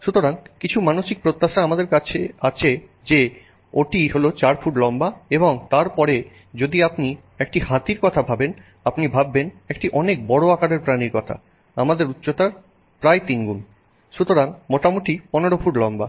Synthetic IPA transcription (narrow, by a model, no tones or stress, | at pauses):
ʃut̪oɾaŋkit͡ɕʰumanoʃik̚pɾot̪ːaʃaamad̪eɾkat͡ɕʰeat͡ɕʰe | d͡ʑe | oʈiɦolot͡ɕaɾfuʈlɔmbaeboŋt̪aɾpɔɾe | d͡ʑod̪iapni | ek̚ʈihat̪iɾkɔt̪ʰabʱaben | apnibʱabːenek̚ʈiʔɔnek̚bɔɽoakaɽeɾpɾaniɾkɔt̪ʰa̰ | amad̪eɾut̪ːɕot̪aɾ | pɾajt̪inɡun | ʃut̪oɾaŋmot̪amuʈipɔneɽofuʈlɔmba